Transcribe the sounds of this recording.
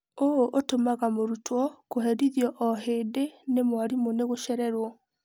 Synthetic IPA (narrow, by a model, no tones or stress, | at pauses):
ooʔotomaɣamoɾutʰwɔkoɦɛɾiðjɔʔɔɦeːdenemwaɾimoneɣoʃɛɾɛɾwɔ